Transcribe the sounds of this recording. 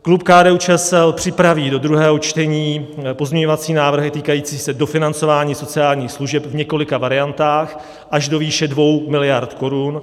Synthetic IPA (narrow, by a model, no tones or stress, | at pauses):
klupkaːdɛːut͡ʃɛɛsɛlpr̥ɪpɾaviːdo̞d̪ɾuɦɛːɦo̞t͡ʃt̪ɛɲiːpo̞zmɲɛɲo̞vat͡siːnaːvr̩ɦɪt̪iːkajiːt͡siːsɛdo̞fɪnant͡so̞vaːɲiːso̞t͡sɪaːlɲiːxsluʒɛpvɲɛkolɪkavaɾɪjant̪aːx | ʔaʒdo̞viːʃɛdvo̞wmɪlɪjaɾt̪ko̞ɾun